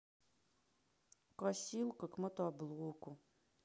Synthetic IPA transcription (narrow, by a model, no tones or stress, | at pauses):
kɔsʲilˠkɔkmɔt̪ɔblˠukʊ